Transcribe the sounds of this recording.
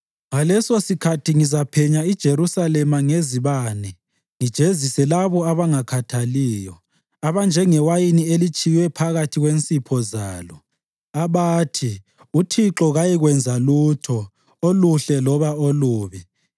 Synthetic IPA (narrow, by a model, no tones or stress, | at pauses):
ŋalɛsosikʰatʰiŋizapʰɛɲaid̥ʒ̥ʱeɾusalɛmaŋeziβaːnɛ | ŋid̥ʒ̥ʱezisɛlaβɔaβaŋakʰatʰaliːjɔ | aβand͡ʒʱɛŋɛwajinielit͡ʃʼijwɛpʰaɣatʰiɣwent͡sʼipʰɔza̰ːlɔ | aβaːtʰi | utʰiǁɔɣajiɣwɛnd͡zʱaluːtʰɔ | oluɬɛlɔβaoluːβɛ